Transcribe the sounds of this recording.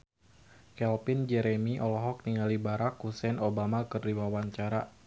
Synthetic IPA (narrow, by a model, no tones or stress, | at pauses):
kɛlpɪnd͡ʒɛɾɛmiʔɔlɔɦɔk̚niŋalibaɾakusɛnobamakɨrdiwawaɲt͡ʃaɾa